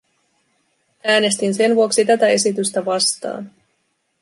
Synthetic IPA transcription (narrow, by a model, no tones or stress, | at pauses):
æːne̞st̪inse̞nʋuo̞ksit̪æt̪æe̞sit̪yst̪æʋɑst̪ɑ̰ːn